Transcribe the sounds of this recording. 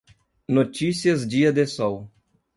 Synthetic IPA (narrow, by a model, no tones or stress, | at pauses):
not͡ʃisiɐzd͡ʒiɐd̪esɔw